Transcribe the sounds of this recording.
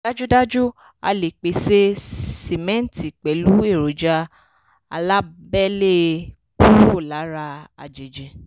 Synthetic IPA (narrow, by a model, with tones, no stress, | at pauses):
da˦d͡ʒu˦da˦d͡ʒu˦ | a̰˧le˨k͡pe˨se˦se˨mɛ̃˦n̩˨ti˨k͡pɛ˨˦lu˨˦e˦˨ɾo˨d͡ʒa˧ | a˧la˦bɛ˦le˦ | ku˦o˦˨la˨˦ɾa˧a̰˧˨d͡ʒe˨d͡ʒɛ˨